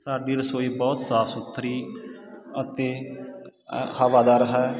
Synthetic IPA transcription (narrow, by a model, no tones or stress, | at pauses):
saːɖiːɾəsoːiːbɔːt̪saːpʰsʊt̪ʰːɾiː | ət̪eː | həʋaːd̪aːɾɦɛː